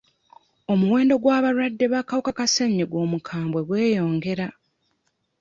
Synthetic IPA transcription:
o̞muwe̞ːndo̞ɡwaːβaɾwadːe̞βakawokakaseɲːiɡwo̞ːmukʰaːmbwe̞ɡwe̞ːjo̞ːŋɡe̞ɾa

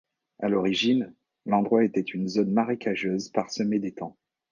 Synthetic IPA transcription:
alɔʁiʒin | lɑ̃d̪ʁwaet̪ɛt̪ynzonmaʁekʰaʒøzpaʁsəmɛd̪et̪ɑ̃

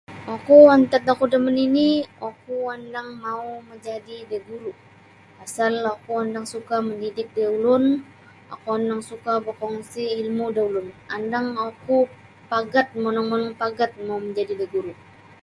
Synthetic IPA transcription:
okuant̪at̪̚akudəməniniokuandaŋmauməɲd͡ʒadideɡuɾu | asalakuandaŋsukaməndidɪk̚daulʊn | a̰kuandaŋsukabəkɔŋsiilmudaulʊnandaŋoku | paɡat̪̚monaŋmɔnɔŋpaɡat̪̚mauməɲd͡ʒadibaɡuɾu

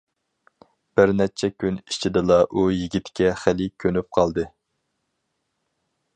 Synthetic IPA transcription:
b̥ɪɾnɛt͡ʃʰɛkʲʰynit͡ʃʰid̪ɨlˠɑʔujiɡʲit̪kʲɛχælɪkʲʰønyp̚qʰɑlˠd̪ɨ

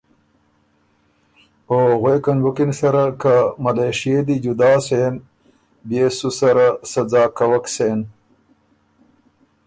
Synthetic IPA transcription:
oɣwekɐnbukinsɐɾakamɐleʂijed̪id͡ʑud̪aːsen | besusɐɾasɐd͡zaːkawɐksen

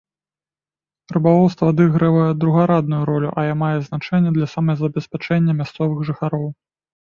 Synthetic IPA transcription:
ɾɨbalˠɔwst̪vɐad̪ɨɣɾɐvɐjɛd̪ɾuɣaɾad̪nujuɾɔlʲuʔɐjamajɛznat͡ʂɛnʲːɛd̪lʲɐsamɐɐzɐbʲɛsʲpʲat͡ʂɛnʲːɐmʲast̪sɔvɨxʐɨxaɾɔw

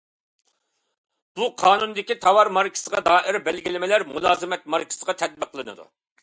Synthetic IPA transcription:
b̥uqʰɑːnund̪ɪkʲit̪ʰɑwɑɾmɑɾkʲʰi̥səʁɑd̪ɑːʔɪɾbɛlɡʲilɪmɪlæɾmulˠɑːzɨmɛt̪̚mɑɾkʲʰɪ̥səʁɑt̪ʰɛd̪̚bəqʰːlˠɨnɨ̰d̪ṵ

